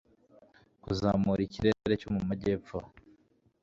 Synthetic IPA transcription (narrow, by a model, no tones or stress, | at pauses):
kuzaːmuɾiciɾeːeɾecomumaɟe̞ːpfo